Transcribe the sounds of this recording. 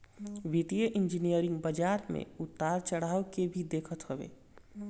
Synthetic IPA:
ʋit̪ijəʔind͡ʒinijəɾɪ̃ŋɡbəd͡ʒaɾmḛut̪ːaɾt͡ʃəɽ̤aːwkebʱid̪eːkʰət̪ɦəbḛː

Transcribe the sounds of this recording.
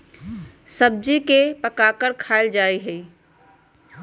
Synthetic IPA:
səb̚d͡ʒikepəkakəɾkʰaːɪld͡ʒaːiɦəi

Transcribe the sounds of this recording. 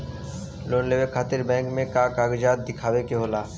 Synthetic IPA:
loːnleːʋekʰaːt̪ɪɾbɛ̃ːŋkmẽkaːkaːɡd͡ʒaːt̪̚d̪ɪkʰaːʋekeɦoːlaː

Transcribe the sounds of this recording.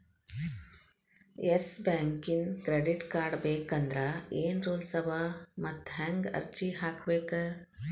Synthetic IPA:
esbɛ̃ːŋkiŋkɾeːɖɪʈkaːɾɖbeːkɐ̃nd̪ɾaeːnɾoːlsɐbʱamɐt̪ɦɛ̃ŋɡɐ̰ɾt͡ʃiɦaːkʰʋeːkəɾ

